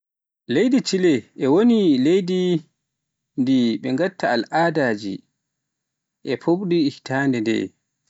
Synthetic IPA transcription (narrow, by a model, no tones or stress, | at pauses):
lejdit͡ʃilɛʔɛwonilejdi | ndiɓɛŋɡatːaalʔaːdaːd͡ʒḭ | ʔɛpʰoɓɗiːhtaːndɛndɛ̰